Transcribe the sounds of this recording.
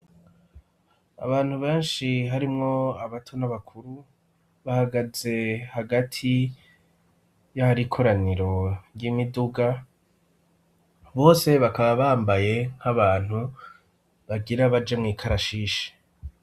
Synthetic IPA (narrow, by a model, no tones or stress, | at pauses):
a̰βaːn̥huβe̞ːnʃiɦaɾimŋo̞aβatʰonaβakʰuɾu | βahaɡaze̞haɡatʰi | jahaɾikʰo̞ɾaniɾo̞ɾjimiduɡa | βo̞ːse̞βakaβaβaːmbaje̞ŋ̥haβaːn̥hu | βaɡiɾaβad͡ʒemŋiːkʰaɾaʃiːʃe̥